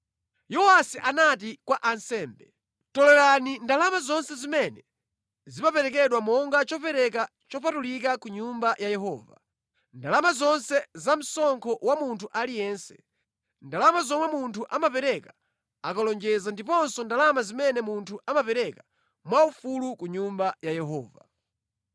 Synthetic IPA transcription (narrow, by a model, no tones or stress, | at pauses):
jɔwasiʔanat̬ikwaʔansɛːmbɛ | tɔlɛɾanindalamazɔnsɛzimɛnɛ | zipapɛɾɛk̬ɛɗwamɔŋɡat͡ʃɔpɛɾɛka | t͡ʃɔpʰatulik̬akuɲumbajajɛɦɔ̰ːva | ndalamazɔnsɛzam̩sɔŋkʰɔwamuntʰuʔalijɛːnsɛ̥ | ndalamazɔmwɛmuntʰuʔamapɛɾɛka | akalɔnd͡ʒɛzandipɔnsɔndalamazimɛnɛmuntʰuʔamapɛɾɛka | mwaufulukuɲumbajajɛɦɔ̰ːva̰